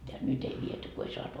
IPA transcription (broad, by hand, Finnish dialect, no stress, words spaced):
jɑ nyt ei ʋiety ko ei sɑːtu